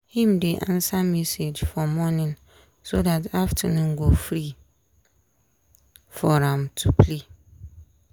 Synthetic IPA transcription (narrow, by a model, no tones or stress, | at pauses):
hĩmdeʔã̰nsamɛsed͡ʒfɔmɔ̃nɪ̃n | sodataftʰanʊ̃ŋ̩ɡofɾi | fɔɾãmtʰupʰle